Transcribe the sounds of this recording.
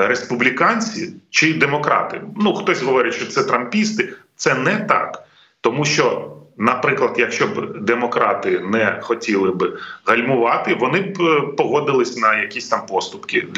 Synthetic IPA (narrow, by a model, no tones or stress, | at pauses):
ɾespublʲikɑnʲt͡sʲit͡ʃɪd̪emɔkɾɑ̰t̪ɪ̰nuxt̪ɔsʲɦɔʋɔɾʲɪtʲʃt͡ʃɔt̪sɛt̪ɾɐmpʲist̪ɪt̪sɛnɛt̪ɑ̰k | t̪ɔmuʃt͡ʃɔnɐpɾɪklˠɐd̪jɐkʃt͡ʃɔbd̪emɔkɾɑt̪ɪnɛxɔtʲilˠɪbɪɦɐlʲmʊʋɑt̪ɪʋɔnɪbpɔɦɔd̪ɪlˠɪsʲnɐjɐkʲisʲt̪ɑmpɔst̪ʊpkɪ